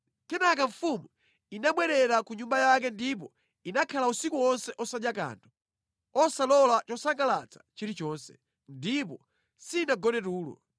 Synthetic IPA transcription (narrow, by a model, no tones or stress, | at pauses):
kɛnakaɱfumu | inaɓwɛɾɛɾakuɲumbajak̬ɛndip̬ɔ | inakʰalausikuɔnsɛʔɔsaɗjaka̰ntʰɔ̥ | ɔsalɔlat͡ʃɔsaŋɡala̰t͡sḁt͡ʃiɾit͡ʃɔːnsɛ̥ | ndip̬ɔ | siːnaɡɔnɛtuːlɔ̰